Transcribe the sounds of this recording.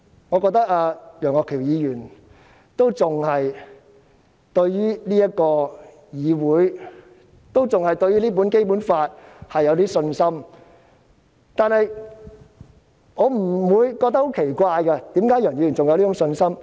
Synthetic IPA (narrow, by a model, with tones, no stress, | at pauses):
ŋɔː˨˧kɔ˧k̚t̪ɐ˥k̚aː˧jœː˨˩ŋɔː˨kʰːiː˨˩wjiː˨˧jyː˨˩n | t̪o˥wt͡sʊ˨ŋhɐ˨j | t̪ɵ˧ɥjyː˥liː˥jɐ˥t̚kɔː˧ | jiː˨˧wuː˨˥j | t̪o˥wt͡sʊ˨ŋhɐ˨jt̪ɵ˧ɥyː˥liː˥p̬uː˨˥nke˥jpuː˨˥nfaː˧t̚hɐ˨jːɐ˨˧wt̪iː˥sɵ˧nsɐ˥m | t̪aː˨nhɐ˨j | ŋɔː˨˧m̩˨˩wuː˨˧jkɔ˧k̪̚ɐ˥kho˨˥wkʰe˨˩jkʷaː˧jkɐ˧t̪iː˨˥mkaː˨˥jœː˨˩ŋji˨˧jy˨˩nt͡sʊ˨ŋjwli˥ʈ͡ʂʊ˨˥ŋsɵ˧nsɐ˥m